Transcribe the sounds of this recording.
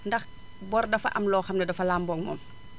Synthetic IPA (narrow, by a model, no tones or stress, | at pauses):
ndɐx | bɔrdɐfɐ̰ʔɐmlɔːxɐmdɛdɐfɐlaːmbɔŋmɔ̰m